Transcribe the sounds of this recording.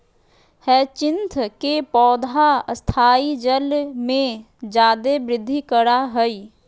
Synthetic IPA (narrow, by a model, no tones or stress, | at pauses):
hɛːt͡ʃɪ̃nt̪ʰkepɔːd̪ʱast̪ʰaːid͡ʒəlmẽ | d͡ʒaːd̪ebɾɪd̪ʱːikəɽaɦəiː